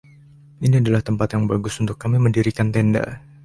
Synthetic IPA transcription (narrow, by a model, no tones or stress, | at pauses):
iniadalaht̪əmpat̪jaŋbaɡʊsunt̪ʊkːamiməndiɾikant̪ɛnda̰